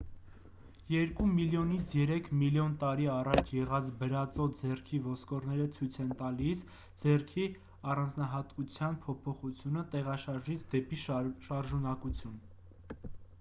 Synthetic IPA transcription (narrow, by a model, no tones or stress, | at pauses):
jɛɾkumiljɔnit͡sʰjɛɾɛkʰmiljɔnt̪ɑɾiɑrɑt͡ʃʰjɛʁɑt͡sʰbəɾɑt͡sɔd͡zɛrkʰivɔskɔɾnɛɾət͡sʰujt͡sʰɛnt̪ɑlis | d͡zɛrkʰi | ɑrɑnd͡znɑɦɑt̪kut͡sʰjɑnpʰɔpʰɔχut͡sʰjunət̪ɛʁɑʃɑɾʒit͡sʰd̪ɛpiʃʃɑɾʒunɑkut͡sʰjun